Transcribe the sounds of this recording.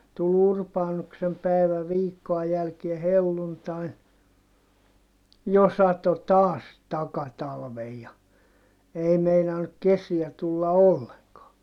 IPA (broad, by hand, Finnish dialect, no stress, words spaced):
tul urpɑːnuksem pæˑiʋæ ʋiːkːoɑ jælkie helːuntɑin jo sɑto tɑːs tɑkɑtɑlʋej jɑ ei meinɑnːuk kesiæ tulːɑ olːeŋkɑː